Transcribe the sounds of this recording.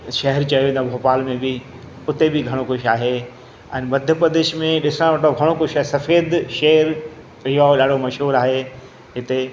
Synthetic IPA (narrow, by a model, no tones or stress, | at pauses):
ʃɐɦɛɾt͡ɕɐjoĩnd̪obʱoːpaːlmẽbi | ʊt̪ebɪɡʱɐɽ̃okʊʃaːɦe | ɛ̰̃ːnmɐd̪ʱjəpɾɐd̪ɪʃmẽɗɪsɾ̃ãʋɐʈoɡʱɐɽ̃okʊʃaːɦesɐfeːd̪ʃɐɦɛɾ | ɪɦoɗaːɽomɐʃɦuːɾaːɦe | ɦɪt̪e